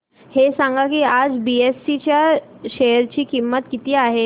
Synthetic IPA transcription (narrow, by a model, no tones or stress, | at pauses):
hesãŋɡakiːad͡zbiesːit͡ɕjaɕejəɾt͡ɕiːkimːət̪kit̪iːaɦe